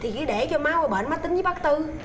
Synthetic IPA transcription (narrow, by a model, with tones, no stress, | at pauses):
t̪ʰi˨˩ki˨˦ɗe˧˩t͡ɕɔ˧maː˨˦wə˨˩ɓə̰ː˧˨nmaː˨˥t̪ï˦ŋ̟zɨ˨˦ɓaː˦˥k̚t̪ɨ˧